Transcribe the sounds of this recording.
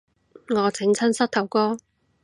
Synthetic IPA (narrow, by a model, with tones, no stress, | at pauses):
ŋɔː˨˧t͡sɪ˨˥ŋt͡sʰɐ˥nsɐ˥k̚t̪ʰɐ˨˩wkɔː˥